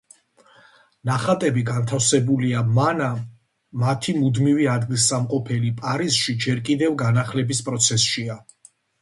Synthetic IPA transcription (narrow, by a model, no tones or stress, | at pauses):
naχat̪ʼɛbiɡant̪ʰafsɛbuliamanaː | at̪ʰimud̪miviad̪ɡilsamqʼɔpʰɛlipʼaɾisʃid͡ʒɛɾkʼid̪ɛvɡanaχlɛbispʼɾɔt̪sʰɛsʃia